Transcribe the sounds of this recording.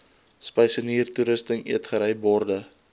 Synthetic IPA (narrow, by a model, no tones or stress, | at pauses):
spɛjsəniːrtuɾəstəŋḭətχəɾɛjbɔrdə